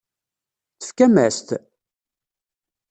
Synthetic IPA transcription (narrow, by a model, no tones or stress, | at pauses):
θə̥fkæmæst̪